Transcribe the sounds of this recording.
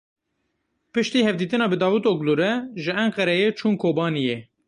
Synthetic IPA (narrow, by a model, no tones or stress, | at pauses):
pɨʃt̪iːhɛvd̪iːt̪ɨnɑːbɨd̪ɑːwut̪oɡluɾɛʒɨɛɴqɛɾɛjeːt͡ʃʰuːnkʰoːbɑːnijɛ